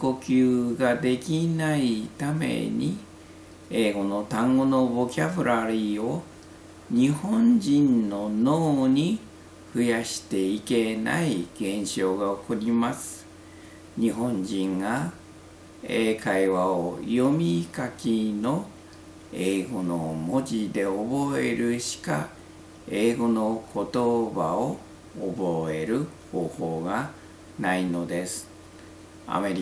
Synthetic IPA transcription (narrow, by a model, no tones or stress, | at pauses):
ko̞kʲɨːɡad̪e̞kʲinait̪ame̞̰ɲ̟i | eːɡo̞no̞t̪ãŋɡo̞no̞bo̞kʲabɯɾʔaɾʲio̞ | ɲ̟ihõ̞ɲd͡ʑĩnno̞no̞ːɲ̟i | ɸɯ̟jaɕi̥t̪e̞ike̞na̰iɡ̥ẽ̞ɰ̃ɕo̞ːɡaokoɾʲimasɨ̥ | ɲiɦõ̞ɲd͡ʑĩŋɡa | eːkaiβaojo̞mʲikakʲino̞ | eːɡo̞nomo̞d͡ʑid̪e̞obo̞e̞̰ɾɯ̟ɕi̥ka̰ | e̞ːɡo̞no̞kʰo̞t̪o̞baoː | bo̞e̞ɾɯ̟ho̞ːho̞ːɡa | naino̞d̪e̞sɨ̥ | a̰me̞ɾʲ